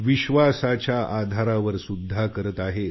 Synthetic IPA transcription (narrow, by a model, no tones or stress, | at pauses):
ʋiɕʋasat͡ɕjaʔad̪ʱaɾaʋəɾsud̪ʱːakəɾət̪aɦe